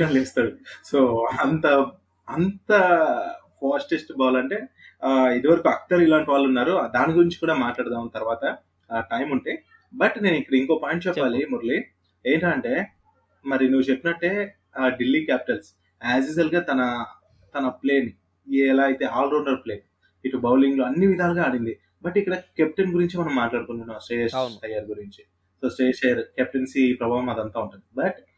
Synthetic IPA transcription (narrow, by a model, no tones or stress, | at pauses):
ɐleːst̪aːɽuso̞ːɐnt̪ɐ | ɐnt̪ɐ | fʰaːsʈesʈbaːlɐɳʈe̞ː | id̪iʋɐɾɐkuɐk̚ʈɐɾilaːɳʈiʋaːlːunːaːɾud̪aːniɡuɾiɲt͡ʃi̥kuːɽaːmaːʈlaːɽd̪aːmɐnt̪ɐɾʋaːt̪ɐ | ʈɐjmuɳʈeː | bɐʈne̞ːnikːɐɽɐiŋkoːpaːjɳʈt͡ʃɛpːaːlimuɾli | eːɳʈaːɐɳʈe̞ː | mɐɾinuːʋut͡ʃepːinɐʈːe̞ː | ɖilːikaːpi̥ʈɐls | aːsisɐlɡaːt̪ɐnɐ | t̪ɐnɐple̞ːni | iɛlaːɐjt̪e̞ːaːlɾoːɳɖɐɾple̞ːn | iʈubɐwliŋɡloːɐnːiʋid̪ʱaːlɐɡaːɽind̪i | bɐʈikːɐɽɐkep̚ʈɐnɡuɾiɲt͡ʃimɐnɐmːaːʈlaːɽukund̪unːɐsʈeʃʈɐjɐɾɡuɾiɲt͡ʃi | soːsʈeːʂɐjɐɾkɛp̚ʈɐnsiːpɾɐbʱaːɦɐmɐd̪ɐnt̪aːuɳʈund̪ibɐʈ